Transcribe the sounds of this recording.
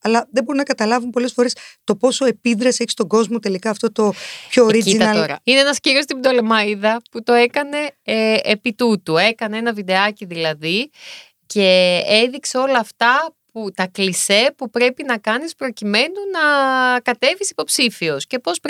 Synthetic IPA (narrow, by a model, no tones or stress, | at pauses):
ɐlɐðebo̞ɾumnɐkɐt̪ɐlɐvumpo̞le̞sfo̞ɾe̞st̪o̞po̞so̞e̞piðɾɐseçi̥st̪o̞ɡo̞zmo̞t̪elikɐːft̪o̞t̪o̞pçoɾiziit̪ɐɐt̪oɾɐ̰ineenɐsciɾo̞st̪ibd̪o̞lemɐiðɐput̪o̞e̞kɐne̞ʔːpit̪ut̪ue̞kɐnee̞nɐvid̪e̞ɐciðilɐði | ce̞eðikse̞o̞lɐːft̪ɐput̪ɐklise̞pupɾe̞pinɐkɐnispɾo̞cime̞nunɐkɐt̪e̞visi̥po̞psifio̞sce̞po̞spɾ